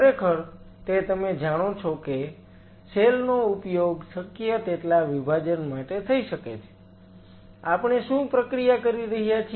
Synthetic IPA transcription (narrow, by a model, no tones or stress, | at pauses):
kʰəɾekʰəɾ | t̪et̪əmed͡ʒaɽ̃ot͡ʃʰoke | selnoupjoɡsəkːijət̪eʈlaʋibʱad͡ʒənmaʈet̪ʰəiʃəket͡ʃʰe̥ | apɳ̃eʃũpɾəkɾijakəɾiɾəɦijat͡ʃʰ